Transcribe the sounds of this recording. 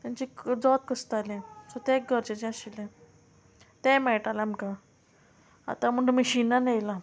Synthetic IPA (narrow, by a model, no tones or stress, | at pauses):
t̪jãt͡ɕid͡zɔt̪̚kəst̪alẽsɔt̪ɛ̃k̚ɡʱəɾt͡ɕet͡ɕiaɕilẽ | t̪ɛ̃mɛɭʈalamka | a̰t̪am̤əɽũməɕinːanejla